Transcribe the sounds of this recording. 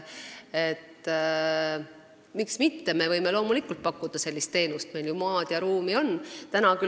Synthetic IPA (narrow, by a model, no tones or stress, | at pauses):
et̪ː | miksmit̪ːe̞me̞vɤjme̞lo̞ːmulikːˑult̪̚pɑkːˑud̪̥ɑse̞lʲːist̪ːe̞ːnust̪me̞jljumɑːd̪̥jɑɾuːmio̞nːt̪ænɑky